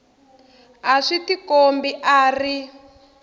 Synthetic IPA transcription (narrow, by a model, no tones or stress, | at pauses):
aʂitikombiʔaːri